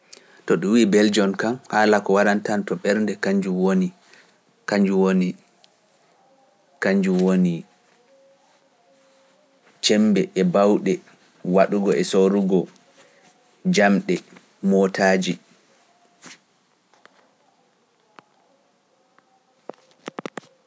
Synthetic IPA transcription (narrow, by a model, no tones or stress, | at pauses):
tɔɗuwiːbɛld͡ʒɔnkamhaːlakɔwaɾantantɔɓɛɾndɛkaɲd͡ʒuwoni | kaɲd͡ʒuwoni | kaɲd͡ʒuwoni | t͡ʃɛmbɛʔɛbawɗɛ | waɗuɡɔɛsoɾuɡɔ | d͡ʒamɗɛ | mɔtʰaːd͡ʒi